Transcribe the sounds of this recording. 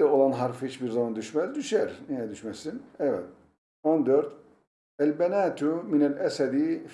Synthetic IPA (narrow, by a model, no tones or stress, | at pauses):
æolˠɑnɦɑɾfhit͡ʃbiɾzɑmɑnd̪yʃmæzd̪yʃæɾnijæd̪yʃmæsinævæ̰l | ond̪øɾd̪ | ælbænæːt̪ʰuminælʔæsæd̪i